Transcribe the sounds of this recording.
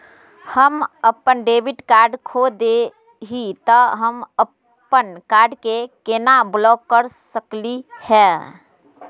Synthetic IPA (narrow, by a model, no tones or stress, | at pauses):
həməpːənɖeːbiʈkaːɾɖkʰod̪e | ɦit̪əɦəmə | pːənkaːɾɖkekenablɔkːəɾsəklihɛ̃